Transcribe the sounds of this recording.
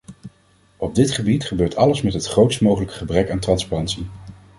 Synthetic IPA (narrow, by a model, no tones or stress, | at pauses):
ɔb̚dɪtχəbitχəbøːɹtʰɑləsmɛtɦətχrowtstmowχələkə̥χəbrɛkaːntrɑnsparɑntsi